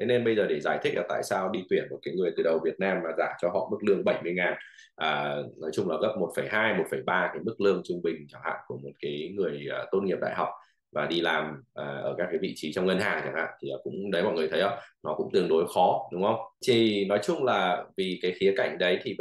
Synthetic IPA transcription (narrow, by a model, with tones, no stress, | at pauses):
t̪ʰe˨˦ne˧nɓə˧jzəː˨˩ɗe˧˩zaː˧˩jt̪ʰï̟˦˥laː˨˩t̪a̰ː˧˨jsaː˧wɗi˧t̪wi˧˩ənmo˨˩t̚kaː˨˦jŋɨ˨˩əjt̪ɨ˨˩ɗə˨˩wvi˨˩ət̚naː˧mːaː˨˩zaː˧˩t͡ɕɔ˧ɦɔ̰˧˨mɨ˦˥k̚lɨ˧əŋɓə˧˩jmɨ˧əjŋaː˨˩n | ʔəː˨˩nɔ˨˦jt͡ɕʊ˧ŋ͡mlaː˨˩ɣə˦˥p̚mo˨˩t̚fə˧˩jɦaː˧jmo˨˩t̚fə˧˩jɓaː˧kaː˨˦jmɨ˦˥k̚lɨ˧əŋt͡ɕʊ˧ŋ͡mɓï˨˩ŋ̟t͡ɕa˧˩ŋha̰ː˧˨nku˧˩əmo˨˩t̚kaː˨˦jŋɨ˨˩əjʔəː˨˩t̪o˧nŋi˨˩əp̚ɗa̰ː˧˨jɦa˨˩wk͡p̚ | maː˨˩ɗi˧laː˨˩mʔaː˨˩ʔəː˧˩kaː˦˥k̚ːaː˨˦jvḭ˧˨t͡ɕi˨˦t͡ɕɔ˧wŋ͡mŋə˧nhaː˨˩ŋt͡ɕa̰ː˧˩ŋha̰ː˧˨nt̪ʰi˨˩a˨˩kʊ̰˧˥ŋ͡mɗə˨˦jmɔ̰˧˨jŋɨ˨˩ət̪ʰjʔə˧˩nɔ˨˦kʊ̰˧˥ŋ͡mt̪ɨ˨˩əŋɗo˨˦jxɔ˨˦ɗʊ˨˦ŋ͡mhə˧wŋ͡mt͡ɕ̪ʰi˨˩nɔ˨˦jt͡ɕʊ˧ŋ͡mlaː˨˩vi˨˩kaː˨˦jxi˨˦ka˧˩jŋ̟ɗə˨˦jt̪ʰi˨˩